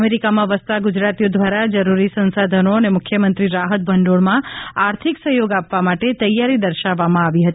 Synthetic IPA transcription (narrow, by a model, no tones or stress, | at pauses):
meɾikamãʋəst̪aɡud͡ʒɾat̪ijod̪ʱʋaɾad͡ʒəɾuɾisə̃nsad̪ʱənoənemʊkʰjəmənt̪ɾiɾaɦət̪̚bʱəɳɖoɽmãaɾt̪ʰiksəɦjoɡapʋamaʈet̪əjaɾid̪əɾʃaʋːamãaʋiɦət̪i